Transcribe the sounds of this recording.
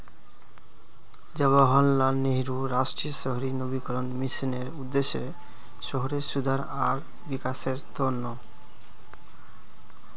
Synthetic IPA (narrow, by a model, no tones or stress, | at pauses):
d͡ʑeβaɦɔnlaneɦɾuɾaʃʈɾiʃɔɦoɾinobikɔɾonmiʃineɾud̪ːeʃe | ʃɔɦoɾeʃud̪ʱaɾ | aɾ | bikaʃeɾt̪onːo